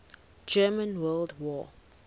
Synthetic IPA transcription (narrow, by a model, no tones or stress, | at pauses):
d͡ʒɜːmə̃nwɜːldwɔː